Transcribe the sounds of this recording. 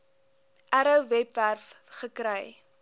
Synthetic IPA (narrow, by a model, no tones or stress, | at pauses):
ʔæɾəwvɛpværfχəkɾɛj